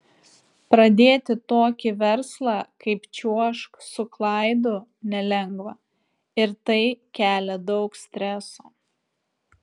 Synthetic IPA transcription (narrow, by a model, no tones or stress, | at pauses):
pɾɐd̪ʲeːt̪ʲɪt̪oːkʲɪʋʲɛɾslˠɑːˑkɐɪpt͡ʃʲuɔʃksʊklˠɐˑɪd̪ʊnʲɛlʲɛŋɡʋɐ | ɪɾt̪ɐɪkʲæːlʲɛd̪ɒʊksʲt̪ʲɾʲɛsoː